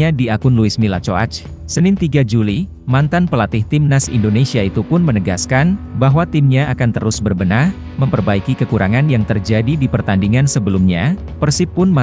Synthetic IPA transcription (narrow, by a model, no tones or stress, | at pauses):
adiakʊnluɪsmilat͡ʃoa̰t͡ʃ | sənɪnt̪iɡad͡ʒuli | mant̪anpəlat̪ɪht̪ɪmnasḭndonesiait̪upʊnmənəɡa̰skanbaɦwat̪ɪmɲaakant̪ə̰ɾʊsbərbənah | məmpərbaikikəkuɾaŋanjaŋt̪ərd͡ʒadidipərt̪andiŋansəbəlumɲa | pərsipːʊnma